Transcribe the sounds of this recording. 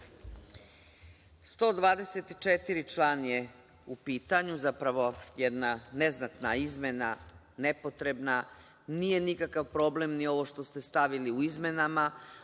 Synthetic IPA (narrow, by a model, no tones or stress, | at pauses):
st̪o̞ːd̪ʋaːd̪eset̪i̥t͡ʂet̪iɾit͡ʃlˠanje | upiːt̪aɲuzapɾaʋo̞jed̪naneznat̪naizme̞na | nepo̞t̪ɾebna | nije̞nikakaʋpɾo̞blemnio̞ʋo̞ʃt̪o̞st̪e̞st̪aʋiliuizme̞nama